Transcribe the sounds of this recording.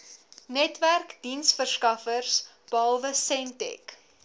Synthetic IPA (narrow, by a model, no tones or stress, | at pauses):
nɛtværkd̥insfərskɐfərs | b̥ɑlˠvəsɛntɛ̰k